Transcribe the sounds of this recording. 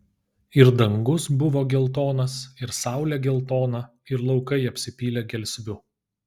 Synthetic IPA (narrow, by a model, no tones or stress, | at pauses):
ɪɾd̪ɐŋɡʊsbʊʋoːɡʲɛlˠt̪oːnɐsɪɾsɑˑʊlʲɛɡʲɛlˠt̪oːnɐ | ɪɾlˠɒʊkɐɪɐpʲsʲɪpʲiːlʲɛɡʲɛlʲsʲʋʲʊ